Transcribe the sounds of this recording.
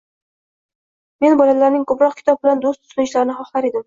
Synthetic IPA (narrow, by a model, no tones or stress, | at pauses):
me̞nbɒlamlaɾnɪŋkʰɵpɾɒq̚kʲʰɪ̥t̪ʰɒb̚bɪland̪ost̪ʰʊ̥slɪnɪʃlaɾɪnɪχɒχlˠaɾe̞d̪ɪm